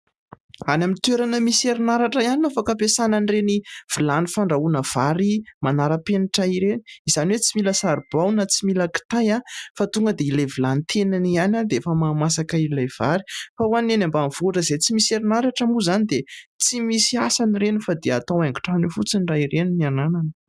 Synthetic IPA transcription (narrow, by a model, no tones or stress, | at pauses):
anamint̪weɾanəmiseɾinaɾaʈ͡ʂəianinafakapesananreniv̥ilanifaɳɖ͡ʐaunəv̥aɾimanaɾəpeniʈ͡ʂaiɾeni̥izaniwet͡similəsaɾb̥awnət͡similəki̥t̪ajafat̪uŋɡəd̪eilevilanit̪ʰenanianad̪eefəmamasakailajv̥aɾi̥fawanenambanv̥uʈ͡ʂəzet͡simiseɾinaɾaʈ͡ʂəmuzanid̪et͡simisiasaniɾenufad̪ea̰t̪awaŋɡi̥ʈ͡ʂanufut͡siniraiɾeninianananə